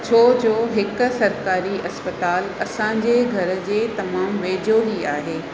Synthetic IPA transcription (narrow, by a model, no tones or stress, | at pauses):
t͡ɕʰoːd͡ʑoːɦɪkʊ̆sɐɾkaːɾiʔɐspət̪aːlɐsãɲd͡ʑeːɡʱɐɾə̆d͡ʑeːt̪ɐmaːmʋeːd͡ʑoɦiaːɦeː